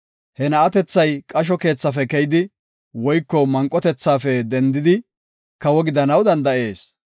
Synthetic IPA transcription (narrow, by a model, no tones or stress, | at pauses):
hɛnɐɐt̪ɛt͡sːɐjkʼɐʃ̬ɔke̞ːt͡sːɐfɛkɛjɪd̪ɪ | wɔjkːɔmɐŋkʼːɔt̪ɛt͡sːaːfɛd̪ɛnd̪ɪd̪ɪ | kɐwɔɡɪd̪ɐnɐwd̪ɐnd̪ɐʔe̞ːs